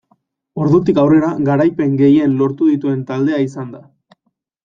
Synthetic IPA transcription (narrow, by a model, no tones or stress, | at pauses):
o̞ɾðut̪ikawre̞ɾaɣaɾajpe̞ŋɡe̞je̞nlo̞ɾt̪uðit̪ue̞nt̪ald̪e̞aisand̪a